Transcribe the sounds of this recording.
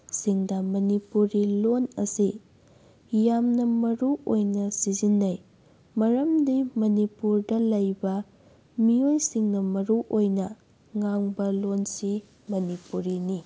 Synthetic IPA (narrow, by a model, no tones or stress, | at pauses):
siŋdɐmɐnipuɾilonɐ̰si | jamnɐmɐɾuʔojnɐsizinːɐj | mɐɾɐmdimɐnipuɾdɐlɐjbɐ | miojsiŋnɐmɐɾuʔojnɐ | ŋaŋbɐlonsi | mɐnipuɾini